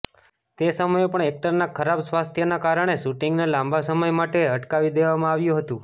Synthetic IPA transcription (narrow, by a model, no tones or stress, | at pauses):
t̪esəməjopəɳek̚ʈəɾnakʰəɾabsʋast̪ʰjənakaɾəɳ̃eʃuʈiŋɡnalãmbʱasəməjmaʈeəʈkaʋid̪eʋamãaʋjũɦət̪ũ